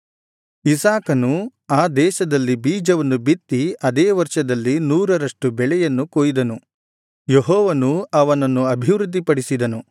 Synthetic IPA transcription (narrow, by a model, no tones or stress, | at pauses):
isaːkɐnuaːd̪ɛːʃɐd̪ɐlːibiːd͡ʒɐʋɐnːubit̪ːiɐd̪eːʋɐɾʂɐd̪ɐlːinuːɾɐɾɐʂʈubɛɭɛjɐnːukoːjid̪ɐnu | jeɦɔːʋɐnuɐʋɐnɐnːuɐbʱiʋɾud̪ʱːipɐɽisid̪ɐnu